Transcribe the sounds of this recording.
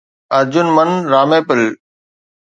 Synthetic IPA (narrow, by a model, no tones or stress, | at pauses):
ɐɾd͡ʑʊnmənɾaːmeːpɪl